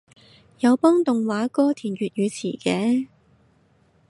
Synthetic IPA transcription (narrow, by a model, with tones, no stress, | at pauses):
jɐ˨˧wpɔː˥ŋt̪ʊ˨ŋwaː˨˥kɔː˥t̪ʰiː˨˩njyː˨t̚jyː˨˧t͡sʰḭː˨˩kɛː˧˥